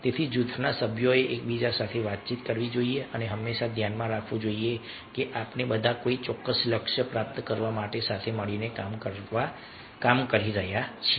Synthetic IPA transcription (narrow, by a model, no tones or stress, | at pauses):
t̪et̪ʰid͡ʒut̪ʰnasəbʱjoeʔek̚bid͡ʒasat̪ʰeʋat̪̚t͡ʃit̪kəɾʋid͡ʒoːieʔəneɦəmːeʃad̪ʱjanmãɾakʰʋũd͡ʒoːie | keʔapnebəd̪ʱakoit͡ʃɔkːəsləkʃəpɾap̚t̪kəɾʋamaʈesat̪ʰeməɭinekamkəɾʋa | kamkəɾiɾəɦjat͡ʃʰɛ